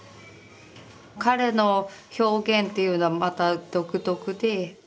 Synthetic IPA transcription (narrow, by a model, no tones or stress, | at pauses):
kaɾe̞no̞ço̞ːɡẽ̞nt̪e̞jɯ̟ːno̞βamat̪ad̪̥o̞kɯ̟t̪o̞kɯ̟d̪e̞